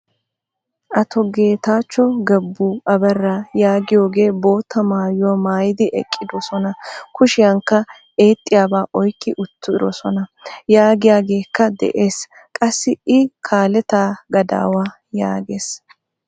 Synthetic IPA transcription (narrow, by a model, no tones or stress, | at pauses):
ʔɐt̪ɔɡe̞ːt̪aːt͡ʃːɔɡɛbːuːʔɐbɛrːajaːɡɪjo̞ːɡe̞ːbo̞ːt̪ːɐmaːjʊwɔmaːjɪd̪ɪʔɛ̰kʼːɪd̪ɔsɔnɐkʊʃɪjɐŋkːɐ | eːt̪ʼːɪjaːbaːʔɔjkːɪʔʊt̪ːʊɪɾɔsɔnɐjaːɡɪjaːɡe̞ːkːɐd̪ɛ̰ʔeːs | kʼɐsːɪɪkʰaːlɛt̪aːɡɐd̪a̰ːwaː | ja̰ːɡeːs